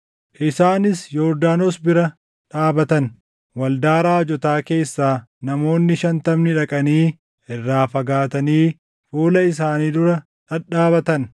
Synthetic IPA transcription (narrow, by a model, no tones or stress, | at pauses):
ʔɪsaːnɪsjɔːɾd̪aːnoːsbɪɾɐ | ᶑaːbɐt̪ɐn | wɐld̪aːɾaːd͡ʒɔt̪aːke̞ːsːaːnɐmo̞ːnːɪʃɐnt̪ɐmnɪᶑɐkʼɐniː | ʔɪrːaːfɐɡaːt̪ɐniː | fuːlɐɪs̬aːniːd̪ʊɾɐ | ᶑɐᶑaːbɐt̪ɐn